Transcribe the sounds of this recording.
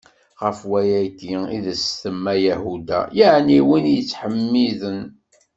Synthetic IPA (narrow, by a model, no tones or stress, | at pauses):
ʁəfwæjæjt̪iḭðəsθəmːæjæhud̪æ̰jaʕniwinjət͡sːħəmːiðən